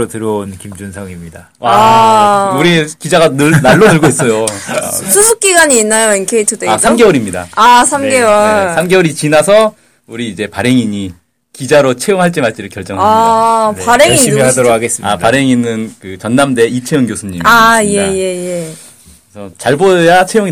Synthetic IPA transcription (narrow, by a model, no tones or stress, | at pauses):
otɯɾonkimd͡ʑunsʰʌŋimɲida | a | uɾikid͡ʑaɡaɯnaɭːonɯɭɡois͈ʌjosʰusʰuk͈̚iɡaɲiːnːajoenkʰeitʰɯdeasamɡe̞wʌɾimɲida̰asʰamɡe̞wʌɭsʰamɡeʌɾit͡ɕinasʰʌ | uɾiːd͡ʑe̞paɾe̞ŋiɲi | kid͡ʑaɾot͡ɕʰe̞joŋɦaɭt͡ɕ͈emaɭt͡ɕ͈iɾɯɭkjʌɭt͡ɕ͈ʌŋɦa | aɾeŋiiadoɾokʰaɡes͈ɯma̰paɾe̞ŋinːɯnkɯt͡ɕʌnːamde̞it͡ɕʰejoŋɡjosʰuɲimajeje̞je | esʰʌt͡ɕaɭbojat͡ɕʰe̞joŋi